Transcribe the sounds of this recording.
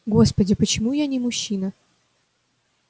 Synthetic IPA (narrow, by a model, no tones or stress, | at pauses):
ɡo̞spədʲɪpət͡ɕɪmujanʲɪmʊɕːinə